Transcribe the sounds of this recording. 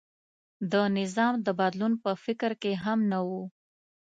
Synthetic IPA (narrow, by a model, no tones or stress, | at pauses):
d̪ənɪzɑmd̪əbad̪lunpəfɪkɾkeɦamnawu